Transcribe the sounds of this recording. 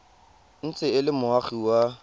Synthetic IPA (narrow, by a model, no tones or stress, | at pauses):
n̩t͡sʼɪɪlɪmʊaχiwa